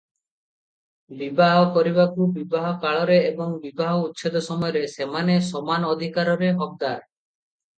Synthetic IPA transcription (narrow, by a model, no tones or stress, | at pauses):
bibaɦɔkɔɾibakubibaɦɔkaɭɔɾeːbɔŋbibaɦɔut̪ːʃʰed̪ɔsɔmɔjɔɾesemanesɔmanɔd̪ʱikaɾɔɾeɦɔk̚d̪aɾ